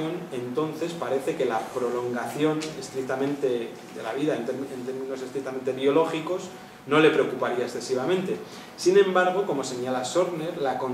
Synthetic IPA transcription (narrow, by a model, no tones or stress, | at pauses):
o̞ne̞nt̪o̞nθe̞spaɾe̞θe̞ke̞lapɾo̞lo̞ŋɡaθjo̞ne̞st̪ɾik̚t̪amẽ̞nt̪e̞ | d̪e̞̰la̰βiðaent̪ent̪e̞ɾmĩno̞s̬est̪ɾik̚t̪ame̞nt̪e̞βjio̞lo̞xiko̞s | no̞le̞pɾeokupaɾiaesθe̞siβ̞amẽnt̪e̞ | sinẽ̞mbaɾɣ̞o̞ko̞mo̞se̞ɲalaso̞ɾne̞ɾlako̞n